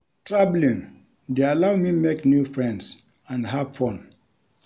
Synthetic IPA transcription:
tʰɹablĩn | dealawmimeknjufɹɛ̃nds | ãndɦafɔ̃m

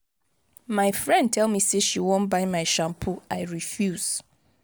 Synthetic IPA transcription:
maɪfɹɛ̃nd̚tʰɛlˠmiseʃiwõnbaɪmaɪʃãmpʰuaɪɹifjuz̥

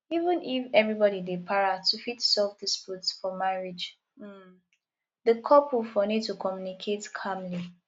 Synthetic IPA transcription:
ivə̃nifɛvɹibɔɾidepʰaɹatʰufitsɛlfdisputsfɔmaɹid͡ʒ | m̩ | ðəkʰɔpufɔnid̚tukʰɔmjunikʰetkʰamli

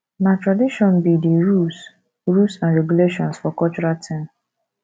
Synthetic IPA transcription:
nãtɾadiʃɔ̃nbidiɹus | ɹusãnɹɛɡuleʃɔ̃nsfɔkɔt͡ʃuɾatʰĩm

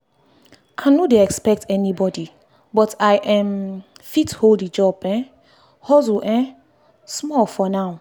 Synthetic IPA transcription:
kʰãnudeɛkspɛk̚tʰɛnibɔdi | bɔtʰaɪʔɛ̃mfitholdid͡ʒɔbɛ̃ | hɔzuʔɛ̃ | smɔlfɔnaʊ

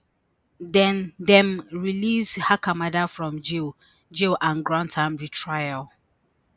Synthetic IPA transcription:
dɛ̃ndɛ̃mɹilishakamadafɹɔ̃md͡ʒil | d͡ʒilʔãnɡɹãntʰãmɹitʰɹajal

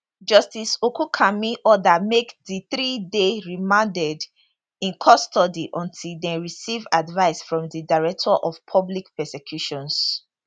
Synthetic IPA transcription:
d͡ʒʌstisokukʰamiʔɔdamekðiθɹideɹimãndɛd | ĩnkʰɔstɔdiʔɔ̃ntʰildɛ̃ɹisivadvaɪsfɹɔ̃mðidaɪɹɛk̚tʰɔʔɔvpʰɔblikpɛsɛkʰjuʃɔ̃ns

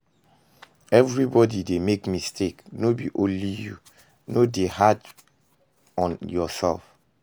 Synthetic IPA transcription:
ɛvɹibɔdidemekmistʰeknobḭʔõnliju | nodehad | ɔ̃njɔsɛ̰lf

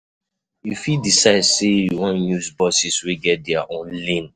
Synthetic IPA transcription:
jufidisaɪdsejwɔ̃nnusbɔsisweɡɛt̚dɛaʔɔ̃nlĩn

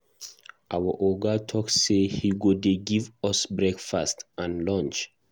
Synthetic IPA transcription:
ʔawəʔɔɡatʰɔksːehiɡodeɡivʌsbɹɛkfastãnlɔ̃nt͡ʃ

